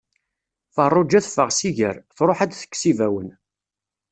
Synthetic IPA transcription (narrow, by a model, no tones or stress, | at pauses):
fərˤːʊd͡ʒæθfəʁsiʝə̰ɾθɾˤoħad̪θə̥kːsivæwən